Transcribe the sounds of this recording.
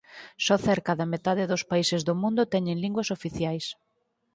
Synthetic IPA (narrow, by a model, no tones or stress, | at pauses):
sɔθɛɾkaðɐmet̪aðɪðʊspaisɪzðʊmũnd̪ʊt̪ɛɲeŋliŋɡwɐsofiθjajs